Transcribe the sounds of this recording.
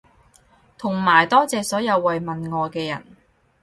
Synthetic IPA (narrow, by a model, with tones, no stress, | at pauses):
t̪ʰʊ˨˩ŋmaː˨˩jt̪ɔː˥t͡sɛː˨sɔː˨˥jɐ˨˧wːɐ˨jmɐ˨nŋɔː˨˧kɛː˧jɐ̰˨˩n